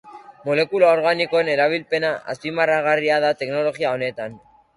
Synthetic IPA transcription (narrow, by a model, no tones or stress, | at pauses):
mo̞le̞kulao̞ɾɣaniko̞ene̞ɾaβ̞ilpe̞naʔa̰spimaraɣariaðat̪e̞kno̞lo̞ɣiao̞ne̞t̪an